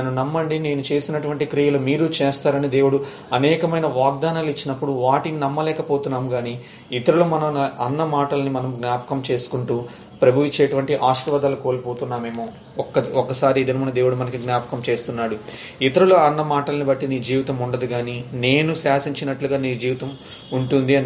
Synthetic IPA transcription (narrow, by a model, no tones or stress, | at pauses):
ɐnunɐmːɐɳɖine̞ːnut͡ʃe̞ːsinɐʈuʋɐɳʈikɾiːjɐlumiːɾut͡ʃeːst̪aːɾɐnid̪eːwuɽu | ɐnɛːkɐmɐjnɐʋaːɡ̚d̪aːnaːlit͡ʃːinɐpːuɽuʋaːʈininɐmːɐlɛːkɐpo̞ːt̪unːaːmuɡaːni | it̪ɐɾulumɐnɐmnɐɐnːɐmaːʈɐlɐnimɐnɐmɡnjaːpɐ̥kɐmt͡ʃeːsu̥kuɳʈuː | pɾɐbʱɐʋit͡ʃːeːʈuʋɐɳʈiʔaːʃɾuʋɐd̪ɐlɐko̞ːlipoːt̪unːaːme̞ːmoː | ɔkːɐɔkːɐsaːɾiid̪ɐnmɐnɐd̪e̞ːwuɽumɐnɐkiɡnʲjaːpɐ̥kɐmt͡ʃe̞ːst̪unːaːɽu | it̪ɐɾuloɐnːɐmaːʈɐlɐnibɐʈːiniːd͡ʒiːʋit̪ɐmuɳɖɐd̪iɡaːnineːnusaːsiɲt͡ʃinɐʈluɡaːniːd͡ʒiːʋit̪ɐm | uɳʈund̪iɐn